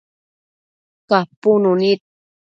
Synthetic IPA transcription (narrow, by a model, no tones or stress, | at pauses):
kapununit̪̚